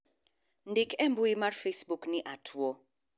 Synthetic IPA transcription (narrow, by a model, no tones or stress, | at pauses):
ndɪkɛmbuimarfesbukniʔatʰuɔ